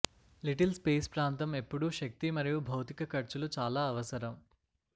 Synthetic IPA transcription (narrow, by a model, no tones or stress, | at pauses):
liʈɐlspeːspɾaːnt̪ɐme̞pːuɽuʃɐk̚t̪imɐɾijubʱɐwt̪ikɐkɐɾt͡ʃulut͡ʃaːlaːɐʋɐsɐɾɐm